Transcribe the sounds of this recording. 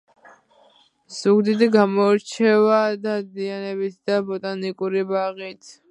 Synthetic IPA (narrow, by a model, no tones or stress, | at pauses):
z̥uɡd̪id̪iɡamɔɾt͡ʃʰɛvad̪ad̪ianɛbit̪ʰd̪abɔt̪ʼanikʼuɾibaʁit̪ʰ